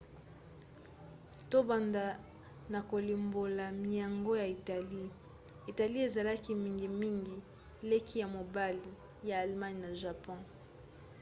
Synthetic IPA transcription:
to˦ba˨nda˨ | na˨ko˨li˨mbo˨la˨mi˨ja˨ŋɡo˦ja˨i˨ta˨li˦ | i˨ta˨li˦e˨za˨la˦ki˦mi˦ŋɡi˨mi˦ŋɡi˨ | le˦ki˦ja˨mo˨ba˦li˨ | ja˨a˨lma˦n˨na˨ʒa˨pɔ̃˦

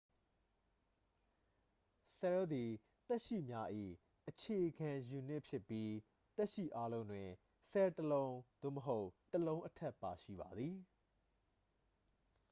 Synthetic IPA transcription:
sɛ˨ɹo˦d̪i˨ | t̪ɛ˦ʔʃḭ˦˨mja˦ʔḭ˦˨ | ʔət͡ɕʰe˨ʔɡã˨ju˨n̥ɪ˦ʔpʰjɪ˦˨pːji˦ | t̪ɛ˦ʔʃḭ˦˨ʔa˦lõ˦ʊ̃ndwɪ̃˨ | sɛ˨təlõ˦ʊ̃d̪̥o̰˦˨məɦo˦ʊtəlõ˦ʊ̃ʔətʰɛ˦ʔpːa˨ʃḭ˦˨ba˨d̪ði˨

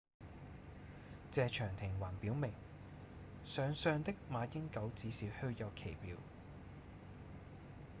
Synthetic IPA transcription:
t͡sɛː˨˧t͡ʃʰœː˨˩ŋt̪ʰɪ˨˩ŋwaː˨˩npiː˨˥wmɪ˨˩ŋ | sœː˨˧ŋsœː˧ŋt̪ɪ˥k̚maː˨˧jɪ˥ŋkɐ˨˥wt͡siː˨˥siː˨˧whɵ˥˧ɥjɐ˨˧wkʰe˨˩jpiː˨˧w

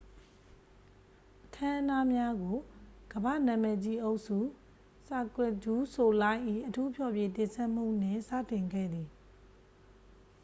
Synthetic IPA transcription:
ʔʔətʰã˦ʔə˦na˦mja˦ɡo˨ɡ̥əbä̰˦˨nã˨mɛ˨t͡ɕi˦ʔo˦ʊʔsu˦˨ | sa˨kwɛ˦˨d͡ʑu˦so˨lã˦ɪ̃ʔḭ˦˨ʔətʰu˦pʰjɔ˨bje˨t̪ɪ̃˨nsʰɛ˦ʔm̥ṵ˦˨n̥ɪ̰̃˦˨sä̰˦˨tɪ̃˨ŋɡɛ̰˦˨d̪i˨

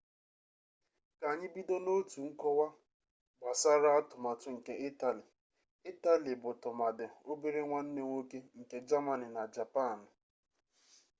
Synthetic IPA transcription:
ka˨ɲɪ˦bi˦do˦no˦tu˨ŋ̩˦kɔ˦wa˦ | ɡ͡ba˨sa˦ɾa˦a˦tʊ˨ma˨tʊ˨ŋ̩˨ke˦ʔi˦ta˦˨li˨ | i˦ta˦li˨bʊ˨tʊ˨ma˨dɪ˨o˦be˦ɾe˦ŋʷa˦n̩˦ne˦ŋʷo˦ke˦ŋ̩˨ke˨d͡ʒa˦ma˨ni˨na˨d͡ʒa˨pa˦˨nɪ˨

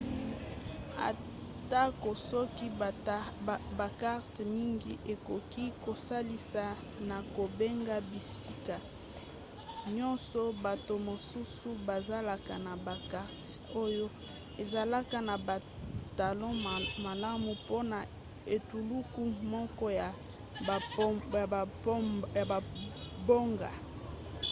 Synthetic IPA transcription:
a̰˨ | ta˦ko˨sɔ˦ki˦ | ba˨ka˦ʁtmi˦ŋɡi˦ʔe˨ko˨ki˦ko˨sa˦li˦sa˨ | na˨ko˨be˦ŋɡa˦bi˨si˦ka˨ | ɲɔ̃˦nsɔ˦ba˨to˨mo˨su˦su˦ba˨za˦la˨ka˨na˨ba˨ka˨ʁti̥˨o˦jo˦ | e˨za˨la˦ka˨na˨ba˨ | ta˨lɔ̃˦ma˨la˦mu˨po˦na˨ | e˨tu˨lu˦ku˦mɔ˦kɔ˦ja˨˦ | a˨ba˨bo˦ŋɡa̰˨

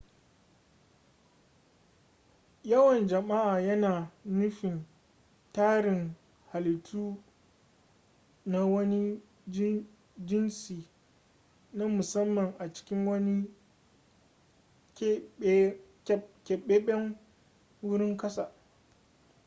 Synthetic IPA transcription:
jɐ˦wɐ˨nd͡ʒɐ˨ma˦ʔaː˨jɐ˦naː˨nʊ˦ɸɪ˨n | taː˦ɽɪ˨ŋ | ha˨lɪ˨tʰuː˦ | na˦wɐ˦ni˦ | d͡ʒ | d͡ʒɪ˦nsiː˨ | na˦mʊ˨sɐ˦mːɐ˨ŋʔa˨t͡ʃɪ̥˦kʲɪ˦ŋwɐ˦ni˦ | kʲɛ˨ɓe˦ɓɛ˦ŋ | wʊ˦ɽɪ˦ŋkɐ˦sa˨

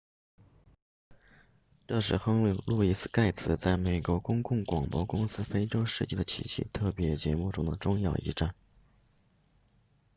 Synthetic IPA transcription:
ʈ͡ʂɤ˥˧ʂɻ̩˥˧xɤ˥ŋllu˥˧˩i˧˩s̩˧ka˥˩ɪt͡sʰɹ̩˨˩t͡sa˥˩ɪme˨˩ɪkwɔ˧˥kʊ˥ŋkʊ˥˩ŋkwɑ˨˩ŋpwɔ̰˧˥kʊ˥ŋsɹ̩˥fe˥ɪʈ͡ʂo˥ʊʂɻ̩˥˧t͡ɕi˥˩d̪ə˩t͡ɕʰḭ˧˥ɕḭ˥˧t̪ʰɤ˥˩pjɛ˧˥t͡ɕjɛ˧˥mu˥˩ʈ͡ʂʊ˥ŋd̪ə˨ʈ͡ʂʊ˥˧ŋjɑ˥˧ʊʔḭ˧˥ʈ͡ʂa˥˩n

